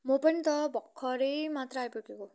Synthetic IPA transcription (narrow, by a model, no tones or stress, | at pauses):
mopʌnit̪ʌbʱʌkʰːʌɾejmat̪rʌajpukeko